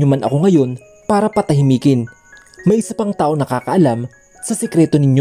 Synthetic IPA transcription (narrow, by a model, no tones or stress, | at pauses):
omanʔɐko̞ŋɐjo̞n | paːɾɐpɐt̪ɐɦɪmiːkɪn | mɐjʔɪsapɐŋt̪aːʔo̞ŋnɐkaːkɐʔɐlam | sɐsɛkɾɛːt̪onɪɲo